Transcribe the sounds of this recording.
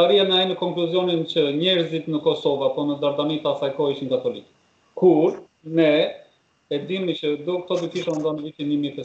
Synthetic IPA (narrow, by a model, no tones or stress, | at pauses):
aɾianaɛnəkɔŋkluzjɔnint͡ɕəɲɛɾzit̪nəkɔsɔvapɔnəd̪aɾd̪amit̪asajkɔiʃinkat̪ɔlik | kuɾ | nɛ | ɛd̪imit͡ɕəd̪ukt̪ɔd̪ukiʃɛund̪ɔnəvit̪inimɛt̪ɛ